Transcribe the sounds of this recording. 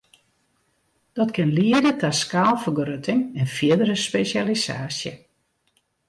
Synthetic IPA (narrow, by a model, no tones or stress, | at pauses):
d̥ɔtkɪnliədətʰaskaːlˠfərɡrøtʰɪŋɛnfiədəɾəspesjalisa̰ːsjə